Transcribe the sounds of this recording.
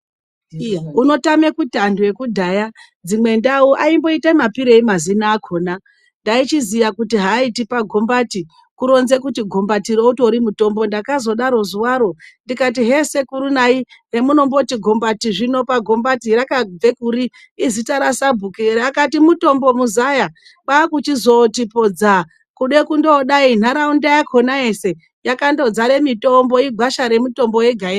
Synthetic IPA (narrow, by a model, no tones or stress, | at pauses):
uno̞tame̞kutandue̞kudʱaja | d͡zimwe̞ndauʔaimbo̞itamapiɾeimazinaːkʰo̞ːna | ndait͡ʃizijakutiɦaitipaɡʱo̞mbati | kuɾo̞nze̞kutiɡʱo̞mbatiɾouto̞ɾimuto̞mbo̞ndakazo̞ɗaɾo̞zuwaɾo̞ndikat̬iɦe̞se̞kuɾunaire̞muno̞mbo̞tiɡʱo̞mbatiʐino̞paɡʱo̞mbatiɾakab͡ve̞kuɾiː | zitaɾasabʱukeɾeakatimuto̞mbo̞muzaja | ɓakut͡ʃizo̞tipod͡za | kuɗe̞kundoɗain̤aɾaundajakʰo̞naese̞ | jakando̞d͡zaɾe̞mito̞mbo̞iɡʱaʃaɾe̞muto̞mbo̞je̞ɡʱae